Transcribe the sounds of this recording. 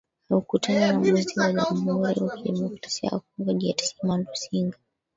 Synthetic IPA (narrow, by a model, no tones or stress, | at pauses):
naukutʰananamiziwaʄamɦhuɾḭwakiɗɛmɔkɾasia̰wa̰kɔŋɡaʄiatḁsimandusiŋɡa